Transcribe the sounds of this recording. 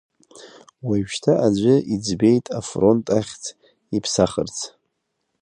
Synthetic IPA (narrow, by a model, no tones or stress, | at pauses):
waʃtʰaʔad͡ʒʷʊʔid͡zbejtʼafro̞ntʼaχʲt͡sʰ | ipʰsaχərt͡sʰ